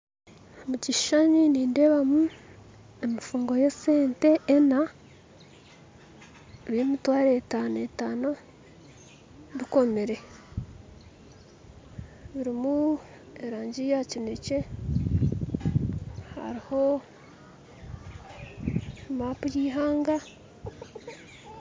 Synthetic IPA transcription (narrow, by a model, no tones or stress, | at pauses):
muciʃʃaɲiniːndeβamu | emifuːŋɡo̞jese̞ːnte̞ːna | βimitwaːɾetaːnetaːno | βiko̞meɾe̞ | βiɾimu | eɾaːɲɟijacine̞ce̞ | ha̰ɾiho̞ | maːpujiːɦaːŋɡa